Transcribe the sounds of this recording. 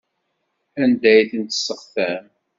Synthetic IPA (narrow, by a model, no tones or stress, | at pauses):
ænd̪æjθənt̪ə̥sːəχθæm